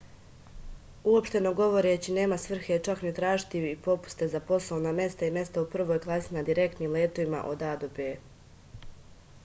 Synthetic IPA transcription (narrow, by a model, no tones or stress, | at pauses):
uo̞pʃt̪e̞no̞ɡo̞ʋo̞ɾet͡ɕine̞ːmasʋr̩xet͡ʃaknit̪ɾaːʒt̪iipo̞pu̥st̪e̞zapo̞slˠoʋname̞st̪aime̞st̪aupr̩ʋojɡlˠasinad̪iɾe̞kt̪niːmleːt̪o̞ʋima̰ʔo̞̰d̪aːd̪opeː